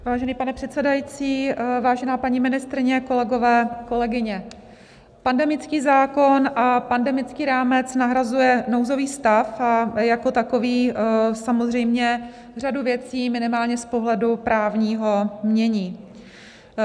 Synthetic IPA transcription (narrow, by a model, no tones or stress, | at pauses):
vaːʒɛniːpanɛpr̝̥ɛt̪t͡sɛdajit͡siːvaːʒɛnaːpaɲimɪnɪst̪ɾɪɲɛko̞lɛɡo̞vɛːko̞lɛɡɪɲɛ | pandɛmɪt͡skiːzaːko̞nʔapandɛmɪt͡skiːɾaːmɛt͡snaɦɾazujɛnowzo̞viːst̪afajako̞t̪ako̞viːsamozr̝ɛjmɲɛ | r̝aduvjɛt͡siːmɪnɪmaːlɲɛspo̞ɦlɛdupɾaːvɲiːɦomɲɛɲiː